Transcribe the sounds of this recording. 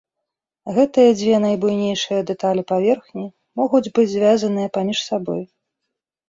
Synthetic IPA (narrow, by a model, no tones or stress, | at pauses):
ɣɛt̪ɨjɐd͡zʲvʲɛn̪ajbujnʲejʂɨjɐd̪ɛt̪alʲipavʲɛrxnʲi | mɔɣud͡zʲbɨd͡zʲzʲvʲazɐnɨjɐpamʲiʂsabɔj